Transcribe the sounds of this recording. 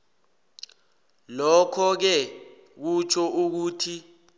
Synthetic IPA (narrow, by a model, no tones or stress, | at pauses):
lɔkʰɔk̬ɛ | k̬ut͡ʃʰɔʔuk̬uːtʰi